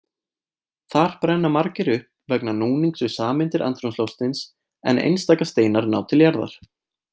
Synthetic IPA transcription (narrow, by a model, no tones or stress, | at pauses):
θaɾ̥pɾɛnːamaɾcɪɾʏhp | vɛknanuːniŋksʏsaːmɪnt̪ɪɾʔa̰nt̪ɾunslowst̪ɪns | ɛ̰nʔḛjnst̪aːkast̪eːjnaɾnaːwt̪ʰɪljaɾða̰ɾ̥